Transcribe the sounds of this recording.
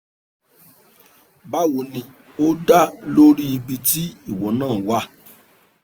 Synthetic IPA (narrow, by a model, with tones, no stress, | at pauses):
ba˦wo˨˦nĩ˧ | o˦da˦lo˦ɾi˦i˧bi˧ti˦i˦˨wɔ˨˦nãː˦˨wa˦